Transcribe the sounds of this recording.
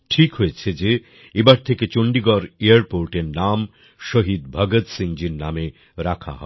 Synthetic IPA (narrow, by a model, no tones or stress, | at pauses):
ʈʰikɦoet͡ɕʰed͡ʑe | ebaɾt̪ʰeket͡ɕoɳɖiɡɔɾeaɾpoɾʈeɾnam | ʃoɦid̪̚bʱaɡot̪siŋd͡ʑiɾname | ɾakʰa̰ɦɔ̰e